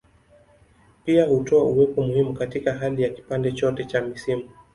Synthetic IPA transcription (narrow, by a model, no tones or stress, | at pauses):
piahutɔauwɛpɔmuhimukatikaɦalijaki̥pandɛt͡ʃɔtɛt͡ʃamisimu